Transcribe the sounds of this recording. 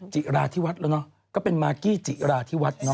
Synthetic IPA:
t͡ɕi˨˩ʔɾaː˧t̪ʰiː˥˩wa˦˥t̪̚la˧˩nɔ˦˥ | kɔː˥˩pe˧nmaː˧kiː˥˩t͡ɕi˨˩ɾaː˧t̪ʰiː˥˩wa˦˥t̪̚nɔ˦˥

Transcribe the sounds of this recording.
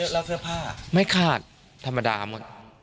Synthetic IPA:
lɛː˧˥kʰɯ˥˩ɐpʰaː˥˩ma˥˩jkʰaː˧˥˩t̪̚ | t̪ʰːa˧mːa˧da̰ː˧mo̰˨˩t̪̚

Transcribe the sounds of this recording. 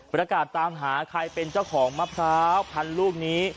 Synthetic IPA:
pɾa˧kaː˨˩t̪ːaː˧mɦaː˩˦kʰɾa˧jpe˧nt͡ɕa˥˩wkʰɔː˩˦ŋma˦˥p̚saː˦˥wpʰa˧nluː˥˩k̚niː˦˥

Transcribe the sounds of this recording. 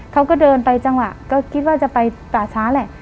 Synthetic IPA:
kʰa˧˥˩wkɔ˧˥˩dɤː˧npa˧jt͡ɕa˧ŋwa˨˩ʔkɔː˧˩kʰi˦˥t̪̚waː˧˥˩t͡ɕa˨˩pa˧jtaː˨˩t͡ɕʰaː˨˦˥lɛ˧˩˨ʔ

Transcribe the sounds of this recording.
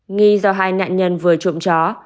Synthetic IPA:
ŋi˧zɔ˧ɦaː˧jna̰ː˧˨nɲə˧nvɨ˨˩ət͡ɕʊ̰˧˨ŋ͡mt͡ɕɔ˨˦

